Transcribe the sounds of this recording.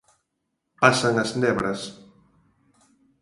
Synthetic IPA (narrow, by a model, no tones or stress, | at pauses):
pasaŋɐznɛβɾɐs